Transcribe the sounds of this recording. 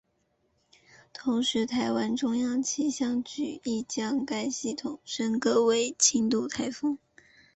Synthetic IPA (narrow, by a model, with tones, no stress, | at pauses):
t̪ʰʊ˧˥ŋʂɻ̩˧˥t̪ʰa˧˥ɪwa˥nʈ͡ʂʊ˥ŋjɑ˥˧ŋt͡ɕʰi˥ɕjɑ˥˧ŋt͡ɕy˨˩i˥˩t͡ɕjɑ˥ŋka˥ɪɕi˥˩t̪ʰʊ˨˩ŋʂə˥nkɤ˥we˥˩ɪt͡ɕʰi˥nt̪u˥˩t̪ʰa˥ɪfɤ˥ŋ